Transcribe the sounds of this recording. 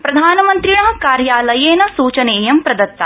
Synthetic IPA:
pɾɐd̪ʱaːnɐmɐnt̪ɾiɳɐɦɐkaːɾjaːlɐjeːnɐsuːt͡ʃɐneːjɐmpɾɐd̪ɐt̪ːɐ

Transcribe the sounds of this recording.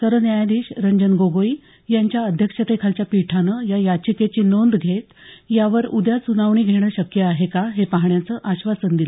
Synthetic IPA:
səɾənjajad̪iːɕɾəɲd͡ʑənɡoɡoi | jaɲt͡ɕjaəd̪ʱjəkʂət̪ekʰalt͡ɕjapiʈʰanəjajat͡ɕiket͡ɕiːnond̪ɡʱet̪jaʋəɾud̪jat͡sunaʋɳiːɡʱeɽ̃əɕəkjəaɦekaɦepaɦɳjat͡səːʔaɕʋasənd̪ilə

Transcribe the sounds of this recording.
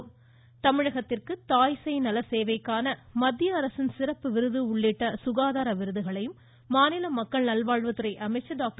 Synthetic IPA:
t̪ɐmɪɻɐɣɐt̪ːɪrkɯt̪aːjsɐɪnɐlɐseːʋɐɪkːaːnɐmɐd̪ːɪjɐːɾɐsɪnsɪrɐpːɯʋɪɾɯðɯʊɭːɪʈːɐsʊɣaːðaːɾɐʋɪɾɯðɯɣɐɭɐjɯmː | aːnɪlɐmɐkːɐɭnɐlʋaːɻʋɐt̪ɯɾɐɪʔɐmɐɪt͡ʃːɐɖaːk̚ʈ

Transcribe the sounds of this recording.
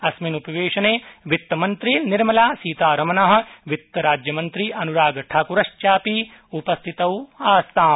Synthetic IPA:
ɐsminupɐʋeːʃɐneːʋit̪ːɐmɐnt̪ɾiniɾmɐlaːsiːt̪aːɾɐmɐnɐɦɐ̆ʋit̪ːɐɾaːd͡ʒjɐmɐnt̪ɾiʔɐnuɾaːɡɐʈʰaːkuɾɐʃt͡ʃaːpi | upɐst̪ʰit̪ɐwaːst̪ʰaː

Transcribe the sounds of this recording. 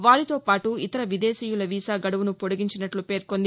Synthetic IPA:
ʋaːɭit̪o̞ːpaːʈuit̪ɐɾɐʋid̪eːsiːjulɐʋiːsaːɡɐɽɐʋunupoɽuɡiɲt͡ʃinɐʈlupe̞ːɾkond̪i

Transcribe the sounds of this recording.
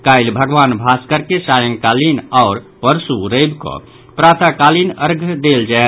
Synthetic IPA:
kajlbʱəɡʋanbʱaskəɾkesajəŋkalinaʊɾ | pəɾsuɾəjbkɔ̰ | pɾat̪ʰakalinəɾɡʱd̪eld͡ʒae

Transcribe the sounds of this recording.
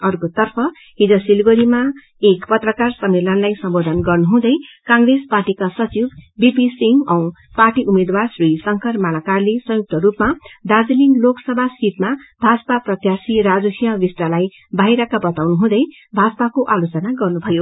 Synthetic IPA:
ʌrkot̪ʌrpʰʌ | ɦid͡zʌsilɡoɾima | ekpʌt̪rʌkarsʌmːelʌnlajsʌmbod̪ʱʌnɡʌrnuɦũd̪ʌjkãŋɡresparʈikasʌt͡sibbipisiŋɡʌw̃ | parʈiʔumed̪warsrisʌŋkʰʌrmalakarlesʌ̃juk̚t̪ʌɾupmad̪ad͡zliŋloksʌbʱasit̪mabʱad͡zʌpaprʌt̪jasiɾad͡zuɦijʌ̃ʋisʈalaj | bʱajɾakabʌt̪awnuɦũd̪ʌj | bʱad͡zʌpakoʔalot͡sʌnaɡʌrnubʱʌjo

